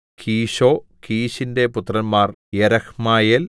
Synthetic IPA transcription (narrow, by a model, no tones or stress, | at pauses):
kʰiːɕo̞ːkiːɕinde̞put̪ːrɐnmaːrjeɾɐxmaːjel